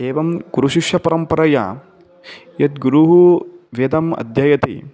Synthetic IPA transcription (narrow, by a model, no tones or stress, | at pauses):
eːʋɐmɡuɾuʃiʃjɐpɐɾɐmpɐɾɐjɐ̰ | jɐt̪ɡuɾuɦuʋed̪ɐmɐ̰d̪ʱjɐjɐt̪ḭ